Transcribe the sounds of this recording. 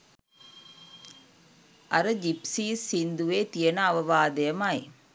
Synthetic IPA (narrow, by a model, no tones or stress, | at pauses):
ʔɐɾɐd͡ʒipsiːsind̪uʋeːt̪ijɐnaːʋɐʋaːd̪ɐjɐmaːj